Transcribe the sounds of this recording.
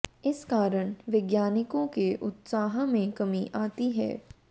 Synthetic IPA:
ɪskaːɾəɽ̃ʋɪɡjaːnɪkõkeʔʊt̪saːɦamẽkɐmiʔaːt̪iɦɛ̰ː

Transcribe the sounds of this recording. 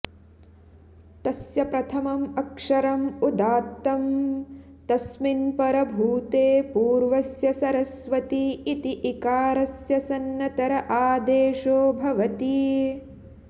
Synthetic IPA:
t̪ɐsjɐpɾɐt̪ʰɐmɐmɐkʂɐɾɐmud̪aːt̪ːɐm | t̪ɐsminpɐɾɐbʱuːt̪eːpuːɾʋɐsjɐsɐɾɐsʋɐt̪iit̪iʔikaːɾɐsjɐsɐnːɐt̪ɐɾɐʔaːd̪eːʃoːbʱɐʋɐt̪iː

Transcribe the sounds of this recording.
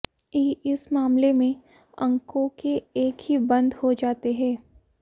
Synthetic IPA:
iːʔɪsmaːmlemẽ | ɐ̃ŋkõkeeːkɦibɐ̃nd̪hod͡ʒaːt̪eɦɛ̃ː

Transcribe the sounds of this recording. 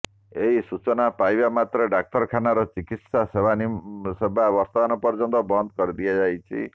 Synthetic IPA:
eɦisut͡ʃɔnapajbamat̪ɾɔɖak̚ʈɔɾkʰanaɾɔt͡ʃikit̪sasebanisebabɔɾsɔbanɔpɔɾd͡ʒɔnt̪ɔbɔnd̪kɔɾid̪iad͡ʒajt͡ʃʰḭ

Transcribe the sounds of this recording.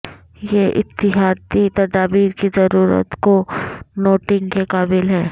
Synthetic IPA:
jeʔɪ̰t̪ːɪɦaːd̪it̪ɐd̪aːbiːɾkizɐɾuːɾə̰t̪konoːʈɪ̃ŋɡkekaːbɪlɦɛː

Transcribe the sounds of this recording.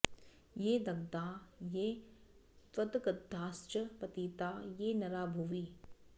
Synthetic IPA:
jeːd̪ɐɡ̚d̪aːjeː | t̪ʋɐd̪kɐd̪ʱːaːst͡ʃɐpɐt̪iːt̪aːjeːnɐɾaːbʱuʋiː

